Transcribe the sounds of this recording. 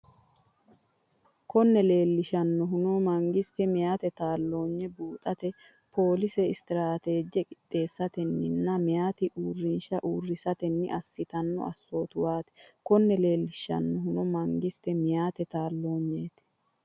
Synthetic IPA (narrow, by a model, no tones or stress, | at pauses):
kɔnːɛle̞ːlːɪʃɐnːɔɦʊnomɐŋɡɪst̪ɛmɪjaːt̪ɛt̪aːlːo̞ːɲːɛbuːt̪ʼɐt̪ɛ | pʰo̞ːlɪsɛɪst̪ɪɾaːt̪e̞ːd͡ʒːɛkʼɪt̪ʼːe̞ːsːɐt̪ɛnːɪnːɐmɪjaːt̪ɪʔuːrːɪnʃɐʔuːrːɪsɐt̪ɛnːɪ̰ʔɐsːɪt̪ɐnːɔ̰ɐ̰sːoːt̪ʊwaːt̪ɛ̥kɔnːɛle̞ːlːɪʃɐ̰nːɔɦʊnɔmɐŋɡɪst̪ɛmɪjaːt̪ɛt̪aːlːo̞ːɲːeːt̪